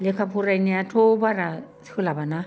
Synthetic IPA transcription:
lekʰapʰuɾajneatʰobaɾat͡sʰkʰɯlabana

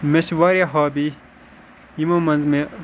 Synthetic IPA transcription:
meɕʋaːɾjaɦaːbi | imõmɐnzmẽ

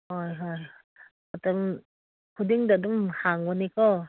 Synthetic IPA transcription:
hɔjɦɔj | at̪ɔm | kʰudiŋdadumhaŋwɔnikɔ

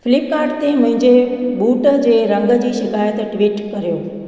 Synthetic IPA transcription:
fɪlɪp̚kaːɾɖt̪emə̃ɦɪ̃ɲd͡ʒebuːʈd͡ʑeɾəŋɡəd͡ʑiːʃɪkaːjət̪ʈʋiːʈkəɾjoː

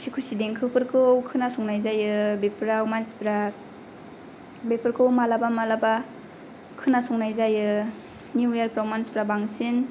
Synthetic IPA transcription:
sikʰusideŋkʰɯpʰɯɾkʰɯwkʰɯnasɔŋnajzajɯbepɾawmanspɾa | bepʰɯɾkɯwmalabamalaba | kʰɯnasɔŋnajzajɯ | njuaɾpɾawmanspɾabaŋsin

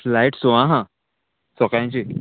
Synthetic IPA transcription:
flaiʈsoʋãɦã | sɔkãɲt͡ɕi

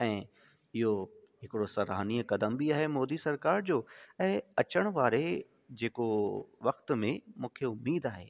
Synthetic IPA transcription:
ɛ̃ː | ɪɦoɦɪkɪɽosɐɾa̰ːniːkɐd̪əmbiaːɦemɔːd̪isɐɾkaːɾd͡ʑoːɛ̃ːɐt͡ɕəɽ̃ʋaːɾe | d͡ʑeːkoʋɐxt̪mẽmũːkʰeʊmːiːd̪aːɦeː

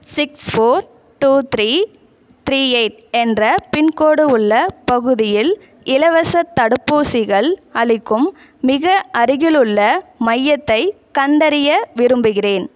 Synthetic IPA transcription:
sɪksfoːɾ | ʈuːt̪ɾiː | t̪ɾiːeɪʈ | ɛndrɐpɪnkoːɽɯʊɭːɐpɐɣɯðɪjɪl | ɪlɐʋɐsɐt̪ːɐɽɯpːuːsɪɣɐɭɐɭɪkːɯmː | ɪɣɐʔɐɾɪɣɪlɯɭːɐmɐjːɐt̪ːɐɪ | kɐnd̪ɐɾɪjɐʋɪɾɯmbɯɣɪreːn

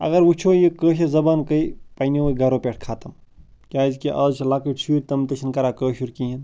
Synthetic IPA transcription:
ɐ̰ɡɐɾʋut͡ʃʰoːjikəːʃezɐbaːnkəipajnioːɡɐɾoːpeʈʰkʰaːt̪ɐmkʲaːzkiʔɐːzt͡ʃʰlaːkɨt͡ʃʰiːɾʲt̪ɐmt̪ɐt͡ʃʰinkɐɾaːkəːʃuɾkiɦin

